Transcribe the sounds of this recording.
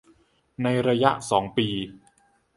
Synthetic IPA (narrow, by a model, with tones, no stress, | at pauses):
na˧jɾa˧ja˦˥ʔsɔː˩˦ŋpiː˧